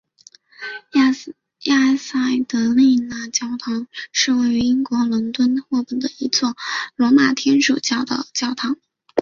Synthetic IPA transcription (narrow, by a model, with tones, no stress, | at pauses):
ja˥˧sa˥˩ɪt̪ɤ˧˥li˥˩na˥˩t͡ɕjɑ˥ʊt̪ʰɑ˧˥ŋʂɻ̩˥˧we˥˩ɪy˧˥i˥ŋkwɔ˧˥lə˧˥nt̪wə˥nxwɔ˥˧pə˥˩nd̪ə˦i˧˥t͡swɔ˥˩lwɔ˧˥ma˨˩t̪ʰjɛ˥nʂu˨˩t͡ɕjɑ˥˩ʊd̪ə̰˩t͡ɕjɑ˥ʊt̪ʰɑ˧˥ŋ